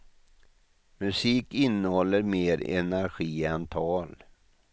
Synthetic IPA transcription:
mɵsiːkɪnːəhɔlːəɾmeːɾɛ̰næɾɧiːant̪ʰɑːl

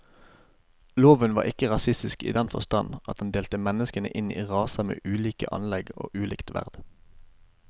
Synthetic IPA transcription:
loːʋənʋɑ̰ːʁɪkəʁɑsɪst̪ɪskḭːd̪ɛnfɔst̪ɑnʔɑt̪̚ɑnd̪eːlt̪əmɛnəskənə̰ʔɪnḭːʁɑːsɑmḛːʔʉːliːkə̰ʔɑ̰nlɛɡo̰ːʔʉːlɪːkt̪ʋæ̰ʁd̪̥

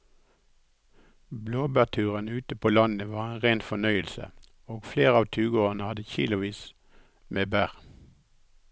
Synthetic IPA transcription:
bloːbæt̪ʰʉːʁənʉːt̪əpʰoːlɑnəʋɑːʁeːnʁeːnfɔnœʏəlsə̰ | oːɡfleːʁəɑːʋt̪ʰʉːɡoːɑnəhɑd̪əçḭːlʊʋiːs | meːbæːʁ

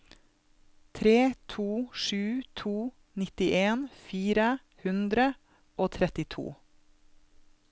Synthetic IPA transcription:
t̪ʰɾeːt̪ʰuːʃʉːt̪ʰuː | nɪt̪ɪʔeːnfiːɾə | hʉnd̪ɾə | ʔoːt̪ʰɾɛt̪ɪt̪ʰṵː

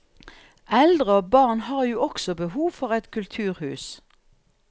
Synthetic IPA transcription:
ʔɛld̪ʁəoːbɑʁnhɑːʁjuːɔksɔbəhuːʋfɔʁɛt̪kʰʉlt̪ʰʉːʁhʉːs

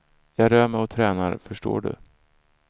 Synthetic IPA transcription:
jɑːɡɾœːmɛjɔt̪ʰɾɛːna̰ɾfœʂʈo̰ːɖɵ̰

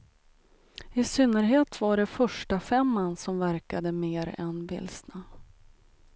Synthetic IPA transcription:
ɪsʏnːəɾɦeːt̪vaɖɛfœʂʈafɛmːanːsɔmvæɾkad̪əmeːɾɛ̰nbɪ̰lsna

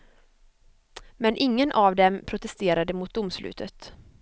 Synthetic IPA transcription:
mɛnʔɪŋːənʔavd̪ɛmpʰɾʊt̪ɛst̪eːɾad̪əmʊːt̪̚d̪ʊmslʉ̟ːt̪ʰət̪

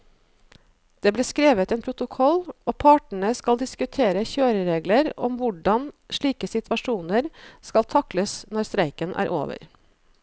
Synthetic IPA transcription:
d̪̥eːbleːskɾeːʋət̪eːnpʰɾʊt̪ʊkʰɔloːpʰɑːʈɳ̩əskɑld̪ɪskʉt̪ʰeːɾəçøːɾəɾeːɡləɾɔmʋʊɖɑnʃɭiːkəsɪt̪ʋɑʂuːnəɾskɑlt̪ʰɑkləsnɔɾst̪ɾæɪkənʔæ̰ːɾʔo̰ːʋə̰ɾ

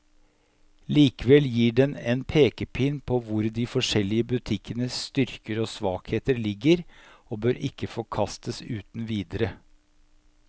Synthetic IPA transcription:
liːkəʋɛljiːɖɛnɛnpʰeːkəpʰɪnpʰoʋʊɾd̪iːfɔʂɛlɪəbʉt̪ʰɪkːənəst̪ʏɾkəɾoːsʋɑːkheːt̪əɾlɪɡːəɾoːbøːɾɪkːəfɔkʰɑst̪ʰəsʉːt̪n̩ʋiːd̪əɾə

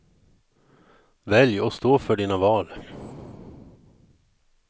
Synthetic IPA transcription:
vɛljɔst̪oːfœɖiːnavɑːl

